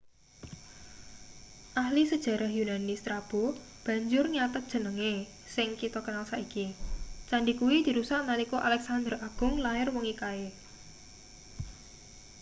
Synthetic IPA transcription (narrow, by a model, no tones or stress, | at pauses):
ʔahlisəd̥ʒ̥a̤ɾʔahjunanist̪ɾab̥o | b̥a̤ɲd͡ʒʊrɲat̪ət̪̚d̥ʒ̥ə̤nəŋe | sɪŋkit̪ɔkənalsaʔikit͡ʃaɳɖikuwid̪̥i̤ɾusaʔ̪nalikɔʔalɛksand̪əraɡ̥ʊ̤ŋlaɪrwɔŋikae